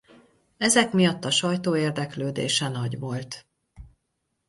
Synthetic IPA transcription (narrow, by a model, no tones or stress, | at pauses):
ɛzɛkmijɒt̪ːɒʃɒjt̪oːeːrd̪ɛkløːd̪ḛːʃɛnɒɟʋo̞lt̪